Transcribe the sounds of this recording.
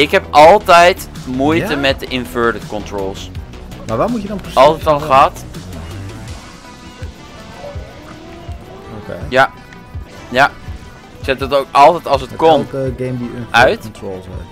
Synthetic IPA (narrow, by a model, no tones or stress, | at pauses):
ɪkɦɛpɑlˠtɛjt | mujtəmɛt̚dəʔɪnvøːɹdətkɔntroːlˠsmaʋaːmujədɔnɑlˠsətɑnχaːt | okja | ja | ɪksɛt̚dɑtowkɑlˠtɛjtɑlˠs̬ətkɔmɡembuœɥtols